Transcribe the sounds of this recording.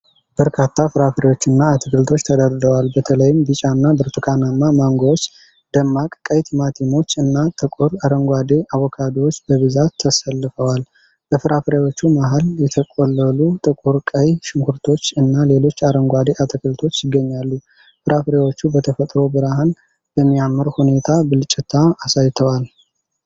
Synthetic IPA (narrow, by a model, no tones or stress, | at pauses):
b̥əɾkʰat̪ʰːafɨɾafɾewo̞t͡ʃːɨnːaːt̪ʰɨkʰɨlt̪ʰo̞t͡ʃːt̪ʰəd̪əɾd̪əwalbət̪ʰələjɪmbɨt͡ʃʼaɨnːabɨɾt̪ʰɨkʰanamːamaŋɡowot͡ʃː | d̪̥əmːakʼkʼəjt̪ʰimat̪ʰimo̞t͡ʃːɨnːat̪ʼɨkʼuɾaɾəŋɡʷad̪eʔawɔkʰad̪iwot͡ʃːbəβɨzat̪ʰːəsəlːɨfəwal | bəfɨɾafɾewo̞t͡ʃːumaɦaljɛt̪ʰəkʼolːəlut̪ʼɨkʼuɾkʼəjʃɪŋhuɾt̪ʰo̞t͡ʃːɨnːale̞lo̞t͡ʃːaɾəŋɡʷad̪eʔat̪ʰəkʰəlt̪ʰo̞t͡ʃːjɪɡːəɲːalːu | fɨɾafɾewo̞t͡ʃːubət̪ʰəfət̪ʼɾo̞bɨɾahan | bəmːijamːɨɾhune̞t̪ʰabɨlt͡ʃʼɪt̪ʰːaːsajt̪ʰəwal